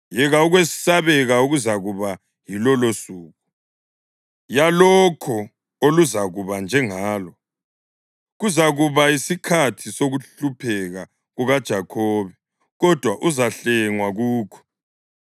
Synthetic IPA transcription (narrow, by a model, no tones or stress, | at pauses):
jɛɣauɣwessaβɛɣauɣuzaɣuβa | jilɔlosuːɣu | jalɔkʰɔ | oluzaɣuβand͡ʒʱɛŋaːlɔ | ɣuzaɣuβaisikʰatʰisoɣuɬupʰɛɣa | ɣuɣad̥ʒ̥ʱakʰɔːβɛ | ɣɔd̥ʱwaʔuzaɬɛŋwaɣuːkʰɔ̥